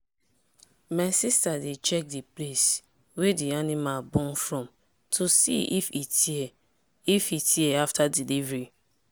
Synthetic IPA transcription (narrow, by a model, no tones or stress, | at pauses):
masistadet͡ʃɛk̚diples | wedianimalbɔ̃nfɹɔ̃m | tʰosḭifitʰiɛ | ifitʰiɛaftʰadilivɹi